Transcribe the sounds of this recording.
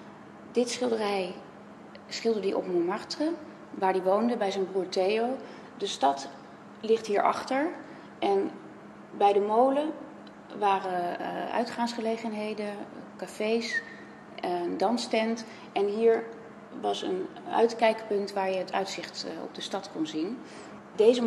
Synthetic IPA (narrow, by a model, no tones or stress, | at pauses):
dɪtsχɪlˠdərɛj | sχɪlˠdədiʔɔ̰pmumɑrtrə | ʋaːɹdiʋowndəbɛjzɛjnbruːɹtejow | dəstɑt | lɪχtɦiːɹʔɑ̰χtəɹ | ʔɛn | bɛjdəmowlə | ʋaːrəœ̰ɥtχaːnsχəlejχənɦejdənkafejs | dɑnstɛnt | ɛnɦiːɹ | ʋɑsə̰nœ̰ɥtkɛjkpɵntʋaːɹjəɦətʰœ̰ɥtsɪχtɔ̰b̚dəstɑtkɔnzin | dejzə